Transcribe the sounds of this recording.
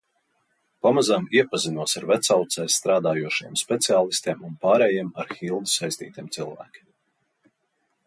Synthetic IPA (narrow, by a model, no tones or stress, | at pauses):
pamazamiɛpazinuɔsaɾvɛt̪sawt̪sɛːsːt̪ɾaːd̪aːjuɔʃijɛmspʲɛt̪siaːlˠist̪iɛmunpaːɾɛjiɛmaɾxilˠd̪isajsʲt̪ḭːt̪ʲiɛmt̪silˠvæ̰ːkʲi̥m